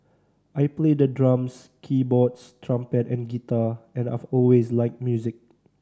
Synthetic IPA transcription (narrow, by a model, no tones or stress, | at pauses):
ʔajpledədɹãms | kʰibɔtstʰɹãmpɛtɛ̃nɡitaɛ̃na̰fɔlweslaɪk̚mjuzɪk̚